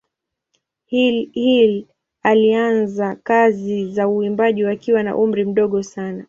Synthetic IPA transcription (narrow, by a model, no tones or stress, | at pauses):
hhil | alianzakazizauimbaʄiwakiwana̰ʔum̩ɾim̩ɗɔɠɔsana